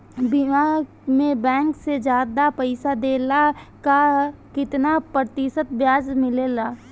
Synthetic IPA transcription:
bɪma | mẽbɛ̃ːŋksed͡ʒjaːd̪apəɪsad̪eːlakakɪt̪napɾət̪ɪsət̪bjaːd͡ʒmɪleːlaː

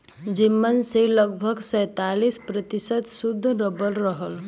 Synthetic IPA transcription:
d͡ʒimːənseləɡ̚bʱəɡsə̃ːt̪aliːspɾət̪ɪsət̪sʊd̪ʱːɾəbəlɾəɦəl

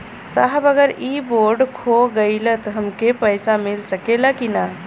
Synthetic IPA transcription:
sa̰ɦəbəɡəɾiboɾɖkʰoɡəɪlət̪ɦəmkepəjsamilsəkelakina

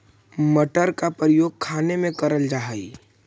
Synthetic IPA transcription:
məʈəɾkapɾəjoːɡ̚kʰaːnemẽkɐɾəld͡ʒaːɦḭ

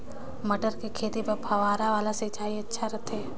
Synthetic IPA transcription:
mɐɖəɾkekʰeːt̪epɐɾbʱɐʋaːɾaʋaːlaset͡ʃaːieɐtːʃʰaɾɐt̪ʰɛː

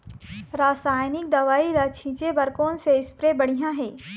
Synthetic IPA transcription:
ɾaːsaːjnɪk̚d̪ɐʋaːiɾat͡ʃʰĩːt͡ʃebɐɾkoːnseɪspɾebɐɽ̃ijãɦɛː

